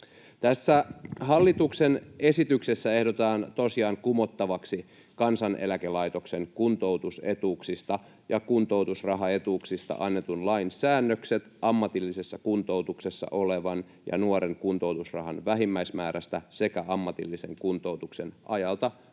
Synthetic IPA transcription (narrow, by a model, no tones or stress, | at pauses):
t̪æsːæhɑlːit̪uksene̞sit̪yksesːæehdot̪ɑːnt̪osiɑːŋkumot̪ːɑʋɑksi | kɑnsɑnʔḛlækelɑit̪o̞kseŋkunt̪ouwt̪usḛt̪uːksist̪ɑ | jɑkunt̪owt̪usrɑɦɑe̞t̪uːksist̪ɑ̰ʔɑnːet̪unlɑinsæːnːøkset̪ɑmːɑt̪ilːisesːɑkunt̪out̪uksesːɑ̰ʔoleʋɑn | jɑ̰nuoɾeŋkunt̪owt̪usrɑ̰ɦɑnʋæɦimːæismæːɾæst̪æsekæɑmːɑt̪ḭlːisḛŋkunt̪owt̪uksenʔɑjɑlt̪ɑ